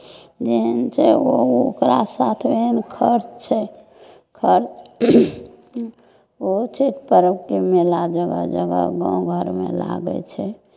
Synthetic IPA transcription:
d͡ʒeɦənt͡ʃʰɛookɾasat̪ʰbenkʰəɾt͡ʃt͡ʃʰɛ | kʰəɾt͡ʃ | ot͡ʃʰiʈ̪̚pəɾəkemelad͡ʒəɡə̰d͡ʒəɡə̰ɡã̰w̃ɡʱəɾmḛla̰ɡə̰t͡ʃʰɛ

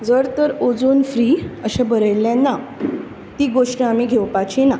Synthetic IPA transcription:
d͡zəɾt̪əɾod͡zonfɾiːəɕãbəɾəjljãnːa | t̪iɡoʂʈĩamiɡʱewpat͡ɕina

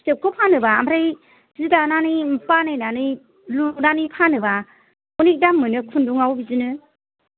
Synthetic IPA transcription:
sɯp̚kʰɔpʰanɯbaːmɾaj | zidananɯpanajnanɯ | luknanipʰanɯba | unik̚damːɯnɯkʰunduŋawbizɯnɯ

